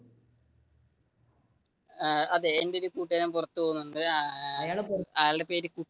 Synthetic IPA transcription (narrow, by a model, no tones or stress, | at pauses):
ɐðeendeoɾukuːʈːɐnɐmpurɐt̪ːupoːunːuɳɖɨjaːɭpɐjaːɭɨɽepeːɾɨku